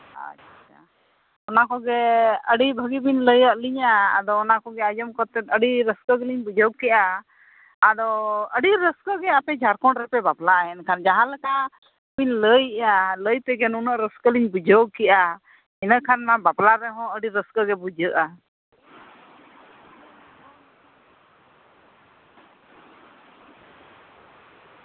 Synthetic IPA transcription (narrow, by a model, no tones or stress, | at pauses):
a̰t͡ʃat͡ʃʰa̰ | ɔnakɔɡɛəɖibʱəɡibinləjəʔliɲa̰ːd̪ɔːnakɔɡɛad͡ʒəmkɔt̪ɛt̪əɖiɾəskəɡɛliɲbud͡ʒɔɡ̚kɛʔaː | d̪ɔəɖiɾəskəɡɛapɛd͡ʒʱaɾkɔ̃ɳɾɛpɛbaplaʔɛnkʰand͡ʒaɦãlɛkaʔ | piɲləjaləjp̪ɛɡɛnunəʔɾəskəliɲbud͡ʒoɡ̚kɛʔa | ɛnəkʰanːabaplaɾɛɦɔ̃əɖiɾəskəɡɛbud͡ʒəʔa